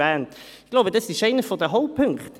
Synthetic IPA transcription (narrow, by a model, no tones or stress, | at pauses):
ɛːntɪɡ̥loʊbədɑsɪʃeɪnəfɔdɛɦoʊpʰʏŋkt